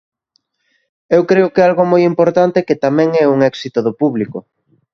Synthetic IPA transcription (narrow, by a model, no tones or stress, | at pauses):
ewkɾeʊkɛalɣomojimpoɾt̪ant̪ekɪt̪amɛ̃ŋɛuŋɛksit̪oðʊpuβlikʊ